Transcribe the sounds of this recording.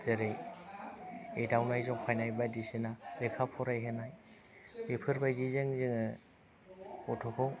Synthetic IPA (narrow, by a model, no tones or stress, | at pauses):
zeɾe | ejdawnajzɔŋkʰajnajbajdisenaɾekʰapʰɔɾajɦenaj | ɾepʰɯɾbajzizeŋzɯŋɯ | ɔtʰɔkʰɔw